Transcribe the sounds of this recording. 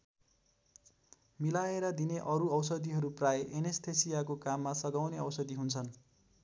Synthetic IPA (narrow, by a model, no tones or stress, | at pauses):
milaeɾʌd̪ineʔʌɾuʌwsʌd̪iɦʌɾuprajeʔenest̪ʰesijakokamːasʌɡawneʌwsʌd̪iɦunt͡sʰʌn